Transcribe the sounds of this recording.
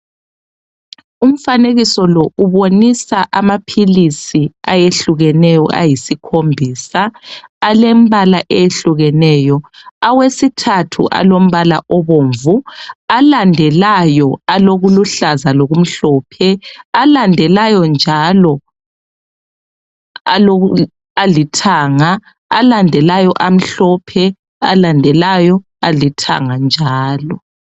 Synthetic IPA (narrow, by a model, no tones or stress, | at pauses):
um̩faneɣisɔlɔuβonisaʔamapʰilisiajeɬuɣɛnɛjɔ̰ʔa̰jisikʰombʱiːsaalem̩βalaʔejeɬuɣɛnɛːjɔawesitʰatʰṵʔa̰lom̩βala̰ʔɔβoːɱvualandʱɛlajɔaloɣuluɬazaloɣum̩ɬɔːpʰɛalandʱɛlajɔnd͡ʒʱalɔ | alo | alitʰaːŋaː | landʱɛlajɔʔam̩ɬɔpʰɛ | a̰landʱɛlajɔ | alitʰa̰ŋand͡ʒʱaːlɔ